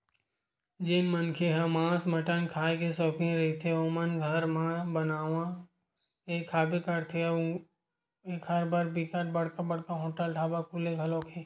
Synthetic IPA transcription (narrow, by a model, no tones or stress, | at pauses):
d͡ʒenmənkʰeɦɐmãːsmɐʈənkʰaːekesɔːkiɾɐɦit̪ʰeomənɡʱəɾmãbɐnaːʋã | ekʰaːbekɐɾt̪ʰe | eːkhɐɾbaɾbikəʈbɐɽ̤kabɐɽ̤kaɦõːʈəlʈʰaːbakʰuleɡʱɐloːkʰeː